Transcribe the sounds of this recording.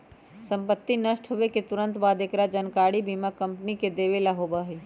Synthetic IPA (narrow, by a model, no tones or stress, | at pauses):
sə̃mpət̪ːinəʃʈɦoʋeket̪ʊɾə̃nt̪baːd̪ekɾad͡ʒənkaːɽibʱiːmakɐ̃mpniked̪eːʋelaɦoːbaɦeː